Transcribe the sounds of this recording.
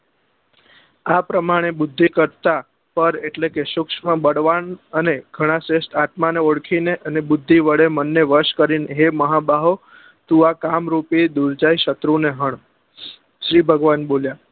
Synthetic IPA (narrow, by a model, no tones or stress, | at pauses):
apɾəmaɽ̃ebʊd̪ʱːikəɾt̪a | pəɾeʈlekeʃʊkʃmãbəɽʋanəneɡʱəɽ̃ãsest̪ʰat̪maneoɽkʰineʔənebʊd̪ʱːiʋəɭemənːeʋəɾʃkəɾinɦeməɦabaɦo | t̪uakamɾupid̪uɾd͡ʒajiʃət̪ɾuneɦəɳ | ʃɾibʱəɡʋanbolja